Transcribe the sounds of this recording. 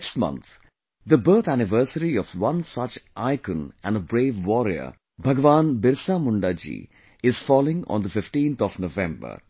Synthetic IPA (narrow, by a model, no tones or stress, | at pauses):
ksʈmʌ̰̃nt̪ | d̪əbəɾt̪ʰænɪʋəɾsəɾiɔfʋʌ̃nsʌt͡ʃʔaɪkə̃næ̰̃nɖəbɾeːʋːɔːɾiə̰ | bʱɐɡəʋãːnbɪɾsamʊɳɖaːd͡ʒḭː | ɪz̥fɔːlɪ̃ŋɔ̰̃ːnd̪əfɪfʈĩːnt̪ʰɔʋnoʋɛ̃mbə̰ɾ